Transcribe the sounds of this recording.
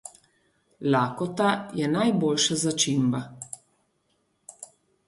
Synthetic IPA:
laːkɔt̪ajɛnajboːlʃazat͡ʃimba

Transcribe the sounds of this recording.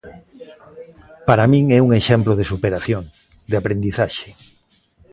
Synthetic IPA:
paɾamĩŋɛuŋeʃɛmploðesupeɾaθjoŋ | d̪eapɾend̪iθaʃe̥

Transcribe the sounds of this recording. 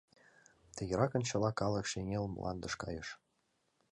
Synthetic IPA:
t̪ĕjə̆ɾɑkɤ̆nt͡ɕɤ̆lɑkɑlə̆kʃeŋʲelm̰lʔɑ̰nd̪ə̆ʃkɑ̰jəʃ

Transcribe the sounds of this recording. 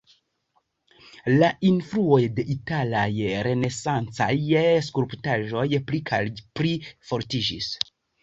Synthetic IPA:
laʔinfɾuo̞jde̞ʔitalajɾe̞ne̞sant͡sa̰js̬kuɾptaʒo̞jplikʰapɾifo̞ɾtid͡ʒḭs

